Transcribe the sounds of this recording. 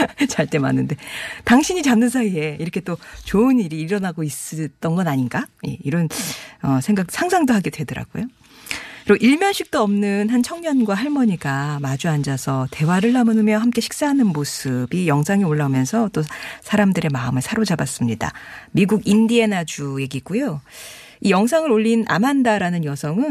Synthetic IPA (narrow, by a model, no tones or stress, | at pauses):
t͡ɕaɭt͈e̞ma̰nːɯnde̞taŋɕʰiɲit͡ɕamnːɯnsʰaie̞iɾʌkʰe̞t͈ot͡ɕoɯniɾiːɾʌnaɡois͈ɯt͈ʌnɡʌnaɲinɡaje̞̰iɾʌnʌsʰe̞ŋɡak̚sʰaŋsʰaŋdoɦaɡedwe̞dʌɾa̰ɡ̥o̰jo | kɯɾiʔiɭmjʌnɕ͈ʰik̚t͈oʌmnɯnhant͡ɕʰʌŋɲʌnɡwahaɭmʌɲiɡamad͡ʑuand͡ʑasʰʌte̞waɾɯɭːamɯnɯmjʌɦamk͈e̞ɕʰi̥k̚s͈aɦanɯnmosʰɯbijʌŋsʰaŋioɭːamjʌnsʰʌt͈osʰaɾamdɯɾe̞maɯmɯɭsʰaɾod͡ʑabas͈ɯmɲida̰miɡuɡindie̞nad͡ʑuje̞ɡik͈ujo | ijʌŋs̬ʰaŋɯɾoʎːina̰mandaɾanɯnjʌsʰʌŋɯn